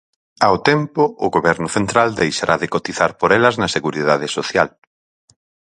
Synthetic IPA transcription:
awt̪ɛmpʊːɣoβɛɾnʊθent̪ɾald̪ejʃaɾʔaðɪkot̪iθaɾpoɾɛlɐznɐseɣuɾiðaðɪsoθjal

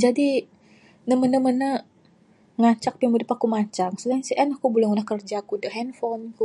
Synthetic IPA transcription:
d͡ʒadi | nəmənəmənə | ŋat͡ʃak̚pimudipakumat͡ʃaŋsudaɲsiʔɛnakubulʊŋunahkərd͡ʒakudəɦɛnfɔnku

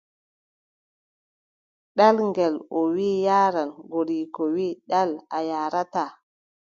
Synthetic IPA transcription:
ɗalŋɡɛlɔwiːjaːɾanɡoɾiːkɔwiːɗalajaːɾata

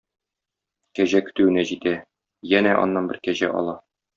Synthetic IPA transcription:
kæʑækɵ̥̆t̪ʉwɘ̆næʑit̪æ | jænæʔɒ̰nːɑnbɘ̰ɾkæʑæ̰ʔɒ̰lˠɑ

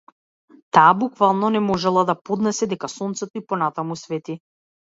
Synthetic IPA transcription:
t̪aːbukvalˠnɔnɛmɔʒɛlˠad̪apɔd̪nɛsɛd̪ɛkasɔnt̪sɛt̪ɔipɔnat̪amusvɛt̪i

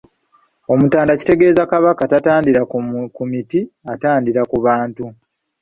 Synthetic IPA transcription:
o̞mutaːndaci̥te̞ɡe̞ːzakaβakatataːndiɾakumitiataːndiɾakuβaːntu

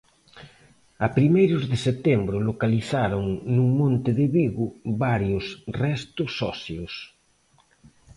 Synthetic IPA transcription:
apɾimejɾʊzðeset̪embɾʊlokaliθaɾoŋnuŋmõnt̪ɪðeβiɣʊβaɾjosrɛst̪osːɔsθjos

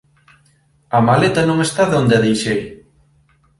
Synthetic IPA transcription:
ɐmalet̪ɐnõŋest̪aðond̪eɪaðejʃej

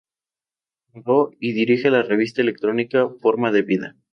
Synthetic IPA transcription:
doiðiɾixelare̞β̞is̬t̪aele̞k̚t̪ɾo̞nikafo̞ɾmaðe̞βiða̰

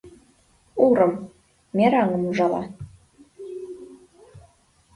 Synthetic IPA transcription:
uɾɤ̆m | mʲeɾɑŋɤ̆muʒɑlˠɑ̰

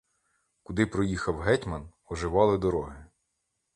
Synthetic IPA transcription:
kʊd̪ɪpɾɔjixɐwɦɛtʲmɐn | ɔʒɪʋɑlˠɪd̪ɔɾɔɦɪ

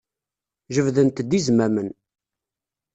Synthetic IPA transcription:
ʒəvðənt̪d̪izmæmən

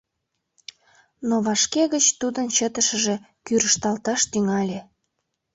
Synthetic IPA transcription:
noβɑʃkeɣət͡ɕt̪ud̪ənt͡ɕət̪əʃə̆ʒe | kyɾəʃt̪ɑlt̪ɑʃt̪yŋɑlʲe

